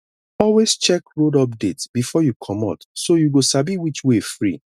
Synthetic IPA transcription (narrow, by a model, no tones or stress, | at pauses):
ɔlwest͡ʃɛkɹodɔp̚detsb̥ifɔjukʰɔmɔ̰tsojuɡosabiwit͡ʃwefɹi